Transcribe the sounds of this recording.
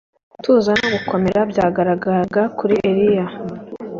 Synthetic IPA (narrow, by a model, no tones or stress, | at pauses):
tuːzanoβukʰo̞me̞ɾabjaːɡaɾaɡaɡakuɾiʔe̞ɾija